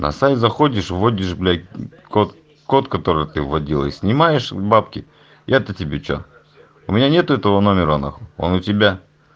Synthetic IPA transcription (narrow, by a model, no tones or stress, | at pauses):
nʔɐ̰sajt̪zɐxodʲɪʂvodʲɪʂblʲa | kot̪ | ko̞t̪kɐt̪o̞ɾɨjt̪ɨvːɐdʲilˠə̰isʲnʲɪmajɪʂbapkʲɪ | jʔat̪ətʲɪbʲet͡ɕo̰ | ʊmʲɪnʲanʲet̪ʊɛt̪əvənomʲɪɾəna̰xoo̰nʊtʲɪbʲa